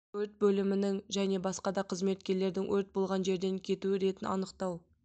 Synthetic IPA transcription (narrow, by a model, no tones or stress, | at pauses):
ɵɾt̪̚bɵlɪmɪnɪŋʒæne̞bɑsqɑd̪ɑqʰəzme̞t̪kʲe̞ɾle̞ɾd̪ɪŋwɵɾt̪̚bo̞lˠʁɑnʒe̞ɾd̪e̞ŋkʲʰe̞t̪uɪɾe̞t̪ɪnɑ̰nəqt̪ɑw